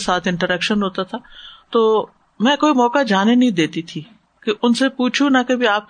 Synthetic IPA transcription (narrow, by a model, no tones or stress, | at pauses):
saːt̪ʰɪ̃ɳʈəɾɛkʃənɦoːt̪at̪ʰat̪oː | mɛ̃ːkoːimɔːkad͡ʒaːnenɐɦĩd̪eːt̪it̪ʰi | keʔʊnsepuːt͡ʃʰunɐkebʱiaːp̚k